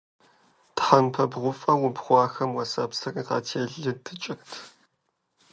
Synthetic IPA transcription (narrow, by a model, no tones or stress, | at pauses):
tħanpʰɐbʁʷʊfʼɐwʊbχʷɑːxɐmwɐsɐpsɐrʼiːqɑ̰ːtʰeːɮɨtʰɨt͡ʃʼɪxtʰ